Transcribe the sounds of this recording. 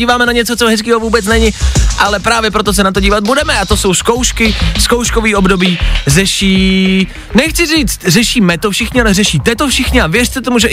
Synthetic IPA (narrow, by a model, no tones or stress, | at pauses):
iːvaːmɛnaɲɛt͡sot͡soɦɛskiːɦovuːbɛt͡snɛɲɪʔalɛpɾaːvjɛpɾot̪̬os̬ɛnat̪oɟiːvat̪̚budɛmɛat̪o̞so̞wsko̞wʃkɪsko̞wʃkoviːʔo̞bdo̞biːrɛʃiː | nɛxt͡sɪriːt͡st̪rɛʃiːmɛt̪ofʃɪxɲɪalɛrɛʃiːt̪ɛt̪ofʃɪxɲɪavjɛr̥t͡s̪ɛt̪omuʒɛ